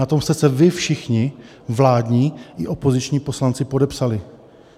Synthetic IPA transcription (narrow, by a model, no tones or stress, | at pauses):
at̪o̞mst̪ɛsɛvɪfʃɪxɲɪ | vlaːdɲiːʔɪʔo̞po̞zɪt͡ʃɲiːpo̞slant͡sɪpo̞dɛpsalɪ